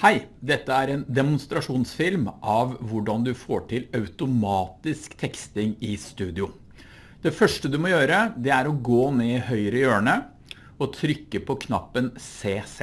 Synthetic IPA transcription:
hæɪd̪ɛt̪ːəæɾɛːnd̪ɛmʊnst̪ɾɑʂuːnsfɪlmʔɑʋʋʊɖɑnd̪ʉfoːʈʰɪlɑʉt̪ʊmɑːt̪ɪskt̪ʰɛkst̪ɪŋɪst̪ʉːd̪ɪʊ | d̪̥ɛfœʂʈəd̪ʉmɔjøːɾəd̪ɛæɾɔɡoːneːɪhœʏɾəjøːɳə | ɔt̪ʰɾʏkːəpʰɔkʰnɑ̰pːənseːs

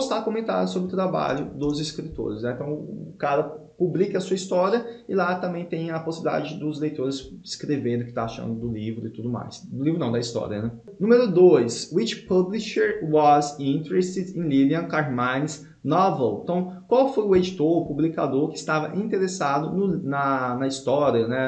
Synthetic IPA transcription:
st̪akomẽnt̪a̰ɾʊsobɾɪʊt̪ɾaba̰ʎʊd̪ʊzɪskɾit̪o̰ɾɪsnɛ̃ẽt̪ɐ̃w̃ʊkaɾɐpublikɐsuɐist̪ɔɾiɐɪlat̪ɐ̃mbẽj̃t̪ẽj̃ɐposibilid̪a̰d͡ʒɪd̪ʊzlejt̪oɾɪsɪ̥skɾevẽd̪ʊkɪ̥t̪aaʃɐ̰̃nd̪ʊd̪ʊlivɾʊɪt̪ud̪ʊma̰jsd̪ʊlivɾʊnɐ̃w̃d̪ɐist̪ɔ̰ɾiɐ̰nɛ | nũmeɾʊd̪ojswit͡ʃpɐbliʃeɾwɔzĩnt̪eɾest̪ɪd̪ẽliliɐ̃kaɾmãj̪̃s | nɔvel̃t̪ɐ̃w̃kʷwawfojʊed͡ʒit̪oɾpublikad̪oɾkɪst̪avɐʔĩt̪eɾesad̪ʊnʊnɐnɐist̪ɔɾiɐnɛ

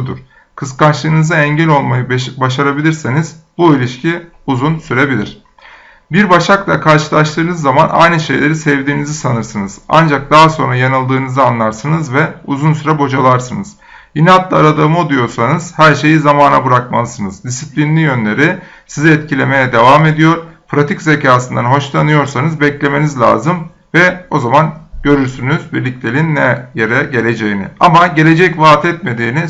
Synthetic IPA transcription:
d̪ṵɾ̥ | kʰɯskant͡ʃlˠɯːnɯzaɛɲɟɛlʲo̞lˠmajɯbaʃaɾabilʲiɾsinizbuilʲiʃcʰi | uzunsyɾe̞bilʲḭɾ̥ | biɾbaʃaklˠakʰaɾʃɯlˠaʃt̪ɯːnɯzːamana̰jnɯʃe̞jlʲeɾisɛvd̪iːnizisanɯɾsɯnɯz̥a̰nd͡ʒak̚d̪aɦaso̞nɾajanɯlˠd̪ɯːnɯzɯanlˠaɾsɯnɯzvɛuzunsyɾɛbo̞d͡ʒalˠaɾsɯnɯz̥ | jinɛat̪lˠaaɾad̪amɯod̪ˠujo̞ɾsanɯz̥hæɾʃe̞jizamaːna̰buɾakmalˠɯsɯnɯzd̪isiplʲinlʲijø̞nlʲe̞ɾi | siziɛt̪cʰilʲe̞me̞jɛd̪e̞vame̞d̪ijo̞ɾpɾat̪ʰicze̞cʰaːsɯnd̪anɦo̞ʃlˠanɯjo̞ɾsanɯzbɛclʲe̞me̞nizlʲa̰ːzɯm | vɛo̞zamanɟ̥ø̞ɾyɾsynyz̥biɾlʲiclʲe̞lʲinːɛje̞ɾɛɟe̞lʲe̞d͡ʒe̞jinḭamaɟe̞lʲe̞d͡ʒɛcvaːt̪ʰɛt̪me̞d̪iːni

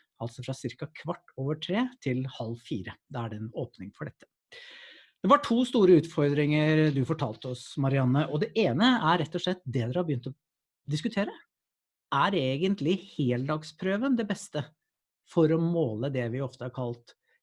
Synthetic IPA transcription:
ɑlsɔfɾɑsɪɾkɑkʰʋɑʈːoːʋəʈʰɾeːt̪ʰɪlhɑlːfiːɾəd̪ɛæɖɛɛnoːpnɪŋfɔɖɛt̪ːə̥ | d̪̥ɛʋɑʈʰuːst̪uːɾəʉːt̪fɔɾd̪ɾɪŋəɾd̪ʉfɔʈʰɑːlt̪əɔsmɑɾɪɑnːəʔɔd̪ɛʔeːnəæɾɾɛt̪ːɔʂɭɛt̪̚ːd̪ɛd̪ɛɾhɑbəjʏnt̪ɔ | d̪ɪskʉt̪ʰeːɾə | æɾeːɡənt̪lɪheːld̪ɑːɡspʰɾøːʋənd̪ɛbɛst̪ə | fɔɾɔmoːləd̪ɛʋɪɔft̪əhɑɾkʰɑlt̪

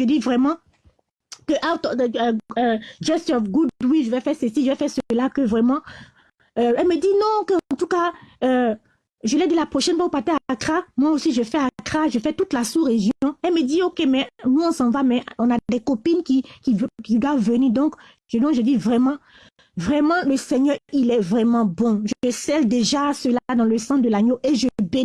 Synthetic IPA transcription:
ʒəd̪ivʁɛmɑ̃ | kəʔat̪ɔ | d͡ʒɛst̪ɔfɡud̪wiʒəvɛfɛʁsəsiʒəvɛfɛʁsəlakəvʁɛmɑ̃ | ɛlməd̪inɔ̃kəɑ̃t̪ukaø | ʒəlɛd̪əlapχoʃɛnfwaupat̪ɛakχamwaosiʒəfɛakχaʒəfɛt̪ut̪lasuʁeʒjɔ̃ɛlməd̪iokemɛnuɔ̃sɑ̃vamɛɔ̃nad̪ɛkɔpinkikikid̪wavvəniʁd̪ɔ̃k | ʒd̪ɔ̃ʒəd̪ivʁɛmɑ̃ | vʁɛmɑ̃ləsɛɲœʁilɛvʁɛmɑ̃bɔ̃ʒəsɛld̪eʒasəlad̪ɑ̃ləsɑ̃d̪əlaɲoʔeʒəbe

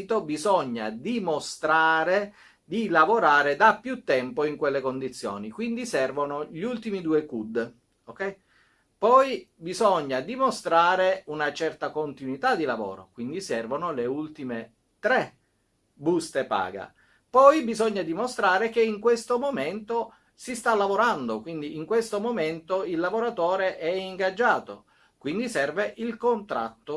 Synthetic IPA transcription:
t̪obizɔɲːa̰d̪imost̪ɾaːɾe | d̪ilavoɾaːɾed̪apːjut̪ːɛmpoiŋkwelːekond̪it̪sːjo̰ːnikwind̪isɛrvonoʎult̪imid̪uːekud̪ | okɛj | pɔjbizɔɲːad̪imost̪ɾaːɾeunat͡ʃɛrt̪akont̪inwit̪ad̪ilavɔ̰ːɾo̰kwind̪isɛrvonoleult̪ime | t̪ɾɛ | bust̪epa̰ːɡa̰ | pɔjbizɔɲːad̪imost̪ɾaːɾekeiŋkwest̪omoment̪o | sist̪alːavoɾand̪okwind̪iːŋkwest̪omoment̪oilːavoɾat̪ɔːɾeʔɛiŋɡad͡ʒːaːt̪o̰ | kwind̪isɛrveʔilkont̪ɾa̰t̪ːo

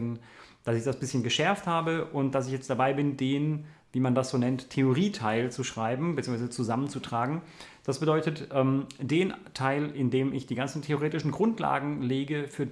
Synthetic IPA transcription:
nd̥asɪçd̥asb̥ɪsçənɡəʃɛɐfthaːbəʔʊnt̚d̥as̬ɪçjɛt͡std̥abaɪbɪndeːnviːmandasz̥oːnɛntʰeoʁiːtʰaɪlt͡suʃʁ̥aɪbm̩bət͡siːŋsvaɪzət͡suzamənt͡sutʁ̥aːɡŋ̩ | d̥asb̥ədɔʏtətʔɛːmd̥eːntʰaɪlɪndeːmɪçd̥iːɡant͡sn̩tʰeoʁeːtɪʃn̩ɡʁʊntla̰ːɡŋ̩leːɡəfyːɐ

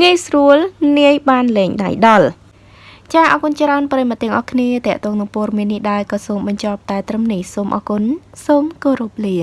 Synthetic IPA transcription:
ŋiəjsruəlniəjɓaːnlɛːŋɗa̰jɗɑl | t͡ɕaːhʔɑːkunt͡ɕraənprəjmat̪ːiəŋʔɑhkʰniət̪ɛ̆əʔt̪ɔːŋnɨŋpɔəɗɑmiənːihɗaɛlkɑːsoːmɓɑɲt͡ɕɑːp̚t̪aɛt̪rɨmnihsoːmʔɑ̰ːkun | soːmkoːɾup̚liən

